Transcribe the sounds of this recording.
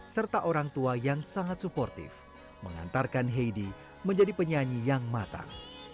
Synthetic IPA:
sərt̪aʔoɾaŋt̪uajaŋsaŋat̪̚supɔrt̪ɪ̰f | məŋa̰nt̪arkanɦejdi | məɲd͡ʒadipəɲaɲijaŋmat̪a̰ŋ

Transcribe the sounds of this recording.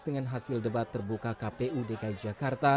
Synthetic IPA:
dəŋanɦasɪldəbat̪ːərbukakapeʔudekaid͡ʒakart̪a

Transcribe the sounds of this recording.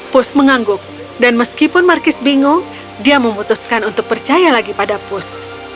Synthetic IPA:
pʊsməŋaŋɡʊk̚ | danməskipʊnmarkɪsbiŋʊŋ | diaməmut̪uskanunt̪ʊk̚pərt͡ʃajalaɡipadapʊs

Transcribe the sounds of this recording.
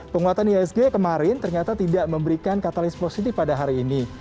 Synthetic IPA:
pəŋuat̪aniɛs̬ɡekəmaɾɪnt̪ərɲat̪at̪idaʔməmbəɾikankat̪alɪsposit̪ɪfpadaɦaɾiːni

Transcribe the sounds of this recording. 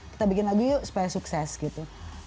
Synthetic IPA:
ki̥t̪abikɪnlaɡujusu̥pajasuksɛsɡit̪u

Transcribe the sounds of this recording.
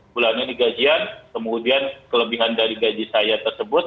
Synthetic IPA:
pulananiɡad͡ʒiankəmudiankələbiɦandaɾiɡad͡ʒisajat̪ərsəbʊt̪̚

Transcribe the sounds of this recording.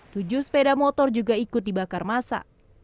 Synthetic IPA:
t̪ud͡ʒʊspedamɔt̪ɔrd͡ʒuɡaikʊt̪̚dibakarmasa̰

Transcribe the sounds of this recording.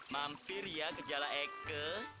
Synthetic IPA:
mampɪrjakəd͡ʒalaɛkə

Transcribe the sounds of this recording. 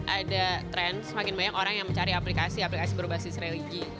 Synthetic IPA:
ʔadat̪ɾɛnsəmakɪnbaɲakoɾaŋjaŋməɲt͡ʃaɾiaplikasiaplikasibəɾubasɪsɾeliɡi

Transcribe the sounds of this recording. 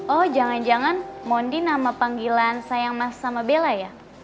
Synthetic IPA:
ɔhd͡ʒaŋand͡ʒaŋanmɔndinamapaŋɡilansajaŋmassamabelaja

